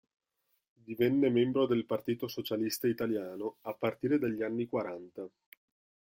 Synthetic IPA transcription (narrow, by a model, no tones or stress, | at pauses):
d̪ivɛnːemɛmbɾod̪elpart̪iːt̪osot͡ʃalist̪ait̪aljaːnoapːart̪iːɾed̪aʎːianːikwaɾant̪a